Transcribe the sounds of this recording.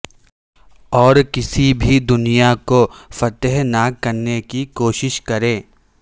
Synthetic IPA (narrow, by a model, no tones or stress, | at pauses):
ɔːɾkɪsibʱid̪ʊnijakofɐt̪əɦnakːɐɾnekikoːʃɪʃkɐɾẽː